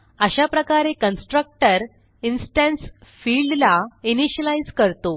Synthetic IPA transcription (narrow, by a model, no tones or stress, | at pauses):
əɕapɾəkaɾekənsʈɾək̚ʈəɾ | insʈə̃nsfilɖlainiɕəlaid͡zkəɾt̪o